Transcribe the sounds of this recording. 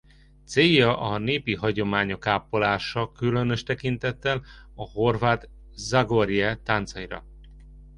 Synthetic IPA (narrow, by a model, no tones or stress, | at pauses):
t̪seːjɒʔɒneːpiɦɒɟo̞maːɲo̞kaːpolaːʃɒkylø̞nø̞ʃt̪ɛkint̪ɛt̪ːɛlɒho̞rvaːt̪ | zaɡo̞ɾijɛt̪ant̪sɒiɾɒ̰